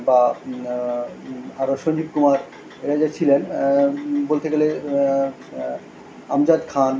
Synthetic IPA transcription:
ba | aɾoʃond͡ʑibkumaɾ | eɾad͡ʑat͡ɕʰilen | bolt̪eɡele | a̰md͡ʑad̪kʰan

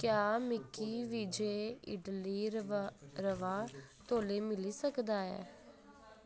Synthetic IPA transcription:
kjaːmɪkʰːiːʋiːd͡ʒeːɪ̰ɖliː | ɾəʋaːt̪oːleːmɪliːsəkd̪aːɛ̰ː

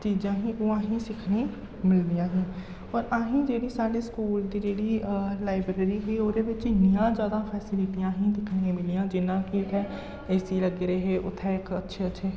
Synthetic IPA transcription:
t͡ʃiːd͡ʒãːɦĩːʔoːãːɦĩsɪkʰne | mɪld̪ijãːɦĩː | ɔːɾaːɦĩd͡ʒeːɽiːsaːɽiskuːld̪iːd͡ʒeːɽiːlaːɪbɾeːɾiːɦʊioːɾebɪt͡ʃnɪjãːd͡ʒjaːd̪afʰɛːsɪlɪʈijãːɦĩd̪ɪkʰnẽmɪlijãːd͡ʒɪnãːkiʊt̪ʰɛ | ɛːsiləɡeɾeɦɛʔʊ̰t̪ʰɛɪkɐtːʃʰeɐtːʃʰeː

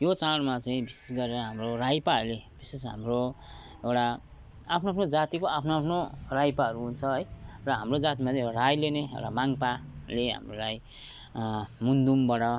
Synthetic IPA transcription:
jot͡saɽmat͡saĩbise̥sɡʌɾeɾʌɦamrorajpaleb̥isesɦa̰mro | ewʈa | apʰnoapʰnod͡zat̪ikoapʰnoapʰnorajpaɦʌɾuɦunt͡sʰʌɦʌjrʌɦamrod͡zat̪imat͡sãĩeaɾajleneḛwʈamaŋpaleɦa̰mroɾaj | mund̪umbʌɽʌ

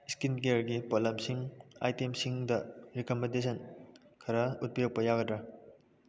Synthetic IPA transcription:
skinkeɾɡipolɐmsiŋa̰jtemsiŋdɐɾikomẽndesʰɐnkʰɐɾɐut̚pijok̚pɐjaɡɐdɾɐ

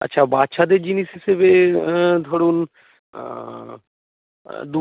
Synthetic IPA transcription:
ɐ̰tːʃʰabat̪ʃad̪eɾd͡ʒinisesebed̪ʱoɽun | d̪u

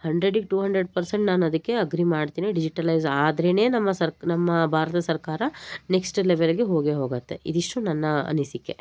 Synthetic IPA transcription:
hɐɳɖɾeɖikʈuːɦɐɳɖɾeɖpɐɾseɳʈnaːnɐd̪ɐkːe̞ɐɡɾimaːɖt̪iːniɖid͡ʒiʈɐlɐjzaːd̪ɾene̞ːnɐmːɐsɐɾnɐmːɐbʱaːɾɐt̪ɐsɐɾkaːɾɐneksʈleʋelɡeɦoːɡeɦo̞ːɡɐt̪ːe̞̰ḭd̪iʂʈunɐnːɐɐ̰nisikːe̞̰

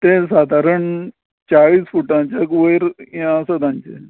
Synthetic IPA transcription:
t̪ẽsaːd̪ʱaːɾəɳ | t͡ɕaɭiːsfuːʈãt͡ɕakʋəɾãəsəd̪ãnt͡ʃḛ

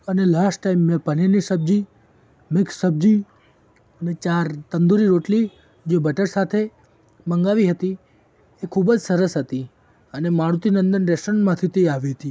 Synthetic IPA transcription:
ənelasʈʈaimːẽpəninisəb̚d͡ʒi | mɪkssəb̚d͡ʒi | ənet͡ʃaɾt̪ənd̪uɾiɾoʈli | d͡ʒebəʈəɾsat̪ʰe | bəŋɡaʋiɦət̪i | ekʰubd͡ʒsəɾəsɦət̪i | ənemaɽut̪inə̃nd̪ənɾesʈənmãt̪ʰit̪eaʋiɦət̪i

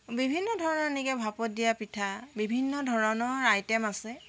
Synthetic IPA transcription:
bibʱinːɔdʱɔɹɔnɔenikɛbʱapɔt̚dijapitʰabibʱinːɔdʱɔɹɔnɔɹajtɛmasɛ

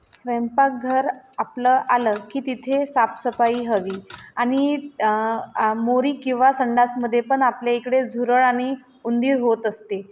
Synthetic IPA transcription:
sʋempak̚ɡʱəɾapləʔaləkiːt̪it̪ʰesapsəpaiːɦəʋiːaɽ̃i | moɾiːkĩw̃ʋasəɳɖasməd̪ʱːjepəɳapljaekɽed͡zʱuɾəɭaɽ̃i | und̪iːɾɦot̪əst̪e

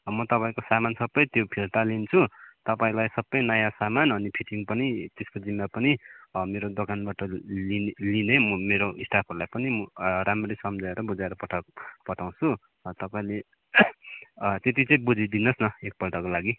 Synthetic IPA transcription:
mʌt̪ʌpaĩkosamansʌbːʌjt̪jopʰilt̪alint͡sʰut̪ʌpaĩlajsʌbʌjnʌjãsamanʌnipʰiʈiŋpʌnit̪eskod͡zimːapʌnimeɾod̪okanbaʈʌlinlinemmeɾoʔisʈapʰʌrlajpʌniɾamrejsʌmd͡zaeɾʌbud͡zaeɾʌpʌʈʰapʌʈʰaw̃t͡sʰu | t̪ʌpaĩle | t̪et̪it͡sʌĩbud͡zid̪inʌsnʌek̚pʌlʈʌkolaɡi

